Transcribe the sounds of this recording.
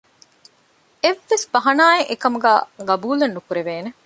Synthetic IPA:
eʋːesbɐɦɐnaːeʔekɐmuɡæːɡɐbuːlenːukuɾeʋeːne

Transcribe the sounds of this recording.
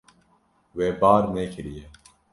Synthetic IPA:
weːbaːɾneːkʰiɾijeː

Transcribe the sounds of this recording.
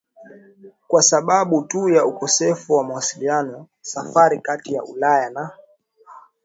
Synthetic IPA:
kwasaɓaɓutujaukɔsɛfuwamawasilianɔ | safaɾikatija̰ʔulajana

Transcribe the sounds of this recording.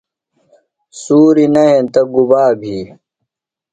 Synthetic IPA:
suːɾinɐẽt̪ɐɡubaːbʱiː

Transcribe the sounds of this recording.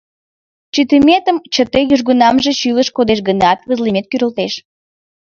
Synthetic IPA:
t͡ɕyt̪imʲet̪əmt͡ɕət̪ejyʒɣunɑmʒet͡ɕyləʃkod̪eʃɡənɑt̪βəzlimet̪̚kyɾəlt̪eʃ

